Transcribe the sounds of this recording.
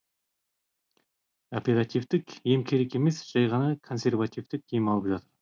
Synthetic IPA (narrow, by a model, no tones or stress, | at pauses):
o̞pʲe̞ɾat̪ivt̪ɪkje̞mkʲʰe̞ɾeke̞me̞sʒ̥ɑjʁɑnɑkʰo̞nse̞rvat̪ivt̪ɪk̚ʰijmɑlˠəpʒɑt̪əɾ